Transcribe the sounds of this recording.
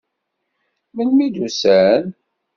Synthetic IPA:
mənmid̪usæn

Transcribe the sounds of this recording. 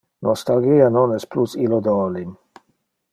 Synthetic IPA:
nʔɔst̪alɡianɔnɛsplusilod̪ɔːlin

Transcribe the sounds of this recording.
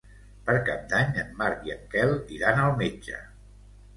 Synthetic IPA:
pəɾkap̚d̪aɲəmːaɾβjəkɛlˠd̪iɾanəlˠmed͡ʒə̰

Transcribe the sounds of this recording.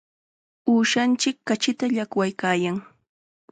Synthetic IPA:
uːʃant͡ʃɪkːat͡ʃɪt̪aʎakwajkaːjaŋ

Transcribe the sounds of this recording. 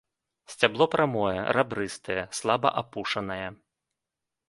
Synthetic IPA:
sʲt͡sʲablˠɔpɾʔamɔjɛ̰rabɾɨst̪ɐjɛslˠabɐ̰ʔapuʂɐnɐjɛ

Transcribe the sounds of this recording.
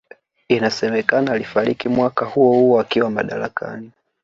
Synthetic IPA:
inasɛmɛkanaːlifaɾikimwakahuɔhuɔakiwamaɗa̰ɾakʰa̰ni

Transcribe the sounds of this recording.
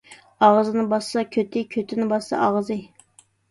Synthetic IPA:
ɑʁzɨnɨbɑssɑkʲʰøt̪ʰɪkʲʰøt̪ʰɪnɪbɑssɑ̰ʔɑʁzɨ

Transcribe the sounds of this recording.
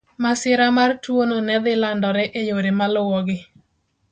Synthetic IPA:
masɪɾamartwononɛd̪ɪlandɔɾɛʔejoɾemalʊwɔɡɪ

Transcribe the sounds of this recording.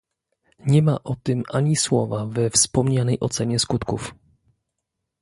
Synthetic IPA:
ɲɛma̰ʔɔt̪ɘmʔaɲiswɔ̰vavɛfspɔmɲanɛjʔɔt̪sɛɲɛskut̪kuf

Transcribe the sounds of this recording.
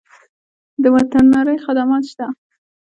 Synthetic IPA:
d̪əwat̪anːɑɾəjxad̪amɑt̪ʃt̪a

